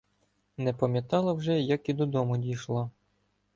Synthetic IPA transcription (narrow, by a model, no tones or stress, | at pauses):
nɛpɐmʲjɐt̪ɑlˠɐwʒɛjɐkid̪ɔd̪ɔmʊdʲijʃlˠɔ